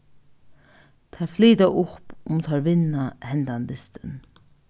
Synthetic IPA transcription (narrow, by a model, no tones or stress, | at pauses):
t̪ʰɛfliːt̪aʔʊpʊmt̪ʰɑɹʋɪnahɛnd̪and̪ɪst̪ən